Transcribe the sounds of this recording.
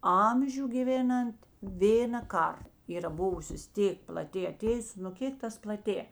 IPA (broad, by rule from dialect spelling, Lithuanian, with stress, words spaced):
ˈɐmʲʒʲʊ ɡʲɪˈʋʲeːnɐnt ˈʋʲeːnɐ ˈkɐr ˈiːrɐ ˈbʊʋʊsʲoːs ˈtʲeːk plˠɐˈtʲeː ɐˈtʲeːjʊs nʊ ˈkʲeːk tɐs plˠɐˈtʲeː